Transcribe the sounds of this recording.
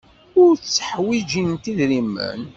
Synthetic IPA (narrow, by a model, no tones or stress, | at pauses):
ʊɾθt͡sːə̥ħwid͡ʒint̪iðɾimːə̰n